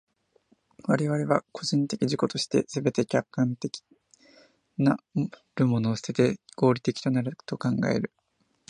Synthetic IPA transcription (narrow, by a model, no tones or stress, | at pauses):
βaɾe̞βaɾe̞βako̞ʑĩnt̪e̞kʲiʑiko̞t̪o̞ɕi̥t̪e̞̰sɨbe̞t̪e̞kʲakːãnt̪e̞kʲi̥ | na | ɾɯ̟mo̞no̞ːsɨ̥t̪e̞t̪e̞ɡ̥o̞ːɾʲit̪e̞kʲi̥t̪o̞naɾɯ̟t̪o̞kãŋɡa̰e̞̰ɾɯ̟